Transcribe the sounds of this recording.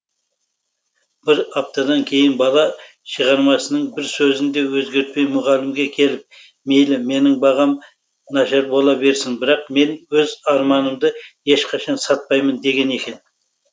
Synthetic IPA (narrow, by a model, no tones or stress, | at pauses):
b̥ɪɾɑp̚t̪ɑd̪ɑŋkʲʰe̞jɪnbɑlˠɑ | ʃəʁɑɾmɑsənəɴbɪɾsɵzɪnd̪e̞wɵzɡʲe̞ɾt̪̚pe̞jmʊʁɑlɪmɡʲe̞kʲʰe̞lɪp̚ | me̞jlɪme̞nɪŋbɑʁɑm | nɑʃɑɾbo̞lˠɑbe̞ɾsɪŋbɪɾɑqme̞nwɵzɑɾmɑnəmd̪əje̞ʃqʰɑʃɑnsɑt̪̚pɑjmənd̪e̞ɡʲe̞ne̞kʲe̞n